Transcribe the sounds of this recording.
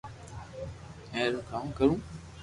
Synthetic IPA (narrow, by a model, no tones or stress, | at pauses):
ẽːlũːkaːmkəɾũː